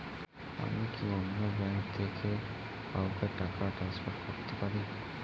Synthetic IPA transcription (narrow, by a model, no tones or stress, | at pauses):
a̰mikʰiɔnːɔbɛ̃ŋk̚t̪ʰekʰe | awkeʈakaʈɾanspɔʈkoɾt̪epaɾi